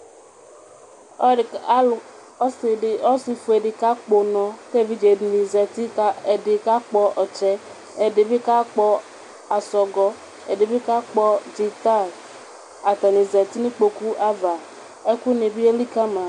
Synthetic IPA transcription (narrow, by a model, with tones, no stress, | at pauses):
ɔ˦sɪ˨ɔ˦sɪ˨fu˨e˨dɪ˨ka˦k͡po˨nɔ̃˨ke˦˨vi˦d͡ʒe˨nĩ˨zɛ˨ti˦a˦e˨dɪ˨ka˦k͡pɔ˨ʔɔ˨t͡ʃɛ˦ | e˨dɪ˨bɪ˦ka˦k͡pɔ˨ | a˨sɔ˨ɡɔ˨ | e˨dɪ˨bɪ˦ka˦k͡pɔ˨d͡ʒi˨t̪a˦˨ | a˨t̪a˨nĩ˨zɛ˨t̪i˦nʊ̃˦k͡po˨ku˦ʔa˦va˨ | e˦ku˦nɪ̃˨bi˦e˦li˦ka˦mã˨